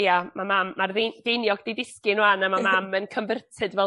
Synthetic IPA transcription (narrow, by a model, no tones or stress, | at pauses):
jamamamːarðed̥ejnjɔɡdejdɪskɪnwanamamamənkʰənvərtʰɨdvɛ